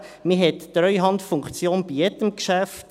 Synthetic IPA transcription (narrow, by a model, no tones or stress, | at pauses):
miɦɛtːɾœʏɦɑnt̪fuŋkt͡sjoːnb̥ijɛd̪əmkʃæft̪